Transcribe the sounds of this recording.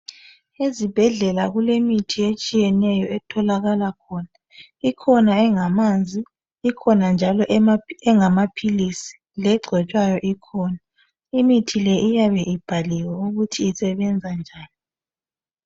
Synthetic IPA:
ezib̥ʱɛɮɛlaɣulemitʰiet͡ʃʼijɛnɛjɔɛtʰɔlaɣalakʰɔna | ikʰɔnaɛŋamand͡zʱiː | kʰɔnand͡ʒʱalɔɛŋamapʰilisi̥ | lɛɡ͡ǀʱɛt͡ʃʼwajɔʔikʰɔːna | imitʰilɛʔijaβɛʔib̥ʱaliwauɣutʰiːsɛβɛnd͡zʱand͡ʒʱaːni

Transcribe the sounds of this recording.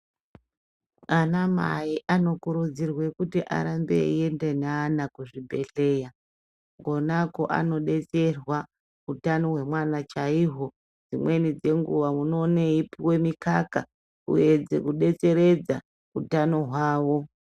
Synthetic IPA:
anama̰iʔano̞kuɾud͡zirwe̞kutiʔa̰ɾambḛḭe̞ndenaːnakuʐibʱe̞̰ɬe̞ːja | ɡo̞nako̞̰ʔa̰no̞ɗe̞t͡se̞rwa | utano̞ɦwe̞mwanat͡ʃaiɦo̞ | d͡zimwe̞nid͡ze̞ŋɡṵʋamuno̞neipiwe̞mikaka | ṵje̞d͡zḛkuɗe̞t͡se̞ɾe̞d͡za | utano̞ɦwaːwo̞

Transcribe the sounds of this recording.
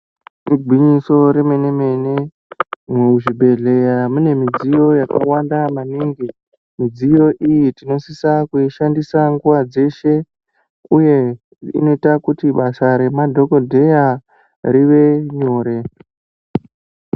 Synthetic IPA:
iɡʱwiɲiso̞ɾeme̞ne̞me̞ne | muʐibʱe̞ɮe̞jamune̞mid͡zijo̞jaka̰wandamaniːŋɡi | mid͡zijo̞ʔijitino̞sisakuiʃandisaŋɡuʋad͡ze̞ʃe̞ | uje̞ | ḭno̞itakutiɓasaɾe̞madʱo̞ko̞dʱe̞ja | ɾiʋe̞ɲoːɾe̞

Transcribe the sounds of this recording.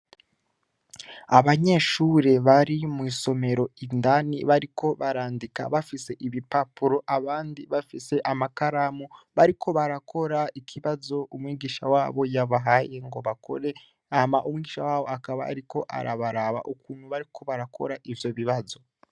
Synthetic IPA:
aβaɲe̞ʃuːɾe̞βaɾimwiːso̞me̞ɾo̞indanḭβaɾiko̞βaɾaːndika̰βafise̞ʔiβipapuɾo̞ʔaβaːndiβafise̞ʔamakaɾamuβaɾikʰo̞βaɾakʰo̞ɾaikʰiβazo̞umwiːɡiːʃawaːβo̞jaβaɦaje̞ŋɡo̞βakʰo̞̰ɾe̞ | amaʔumwiːɡiːʃawaːβo̞akaβa̰ːɾiko̞ʔa̰ɾaβaɾaβa̰ʔukuːn̤̥huβaɾikʰo̞βaɾakʰo̞̰ɾaʔivjo̞βiβazo̞

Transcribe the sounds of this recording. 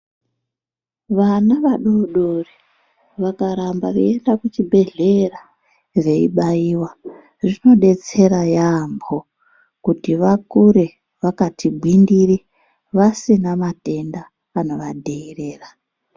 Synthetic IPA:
ʋanaʋaɗo̞ɗori | ʋakaɾambaʋeendakut͡ʃibʱe̞ɮe̞ra | re̞iɓaiːwa | ʐino̞ɗe̞t͡se̞ɾajambo̞ | kutiʋakuɾe̞ | ʋakatʰibʱwindiri | ʋasinamate̞ndaː | no̞ʋadʱeire̞ːra

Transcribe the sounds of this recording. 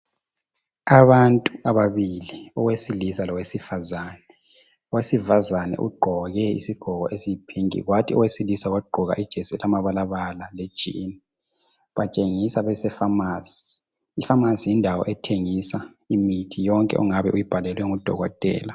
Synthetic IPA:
aβantʼuaβaβiliɔwesilisalɔwesifazanɛ | ɔwesifazanɛ̰ʔṵɡ͡ǃʱɔɣɛḭsiɡ̥ʱɔɣɔʔesiipʰiŋḭɣwatʰiɔ̰wesilisaɣaɡ͡ǃʱɔɣa̰ʔid̥ʒ̥ʱɛsɛlamaβalaβalaled̥ʒ̥ʱḭni | βat͡ʃʼeŋisaβɛsɛfamaːsi̥ | ifamasijindʱawɔ̰ʔɛtʰeŋisa | imitʰijɔŋkʼɛ̰ʔṵŋaβɛʔujib̥ʱalɛlwɛŋud̥ʱɔ̰ɣɔtʼɛ̰ːla

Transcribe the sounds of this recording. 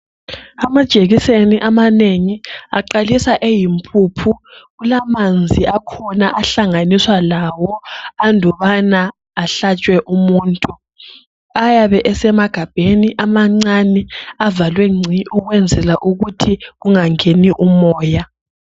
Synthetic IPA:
amad̥ʒ̥ʱʼeɣiseniʔamaneŋiaǃalisaʔejimpʼuːpʰuɣulamand͡zʱiʔakʰɔnaʔaɬaŋaniswalawɔandʱɔβanaː | ɬat͡ʃʼwɛʔumuːntʼu | ajaβɛʔɛsɛmaɡ̥ʱab̥ʱeniʔamaŋ͡ǀaniavalwɛŋ͡ǀʱiʔuɣwɛnd͡zʱɛlaʔuɣutʰiɣuŋaŋeniʔumɔːja

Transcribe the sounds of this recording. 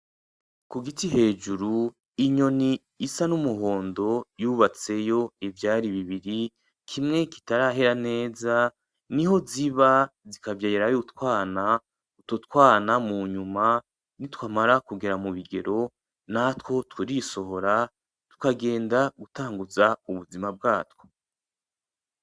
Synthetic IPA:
kuɡitiɦe̞ːd͡ʒuɾu | iɲoniː | sanumuɦo̞ːndo̞juːβat͡se̞jo̞ivjaːɾiβiβiɾi | kʰimŋe̞ki̥taɾaɦe̞ɾane̞ːza | niɦo̞ziβazikavjaeɾajutwaːna | utotkwaːnamuɲuma | nitwaːmaɾakuɡe̞ɾamuβiɡe̞̰ɾo̞ | natwo̞twuɾiso̞ɦo̞ɾa | tu̥kaɡe̞ːndaɡutaːŋɡuzauβuzimab̚ɡaːtwo̥

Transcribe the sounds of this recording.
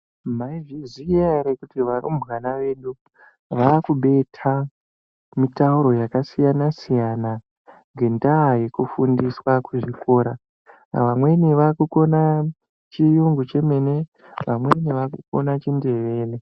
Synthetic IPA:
maiviziaɾekutiʋaɾṵmɣanaʋeɗu | ʋakuɓe̞tʰa | mitauɾo̞jakasijanasijana | ŋɡe̞ndaːjekufundiswakuʐiko̞ːɾa | ʋamwe̞niʋakuko̞na | t͡ʃijuŋɡut͡ʃe̞me̞ne̞ | ʋamweniʋakuko̞̰nat͡ʃinde̞ʋe̞ːle

